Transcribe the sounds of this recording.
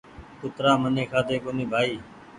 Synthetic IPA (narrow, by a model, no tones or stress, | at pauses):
kʊt̪ɾaːməneːkʰaːd̪eːkoːniːbʱaːiː